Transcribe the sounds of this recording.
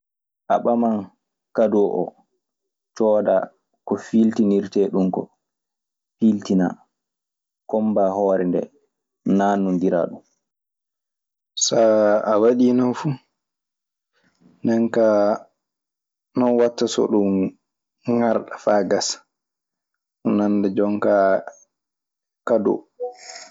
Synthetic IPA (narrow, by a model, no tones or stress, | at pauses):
ʔa̰ɓaman | kadɔʔɔ̰ | t͡ʃɔːda | kɔfiltiniɾtɛɗumkɔ̰ | filtina̰ | kɔmbahɔːɾɛndɛ̰ | naːnundiɾa̰ːɗum | saawaɗinafu | nɛŋka | nɔnwatːasɔ̰ɗum | ŋaɾɗafaːɡas | nandɛd͡ʒɔŋka | kadɔ̰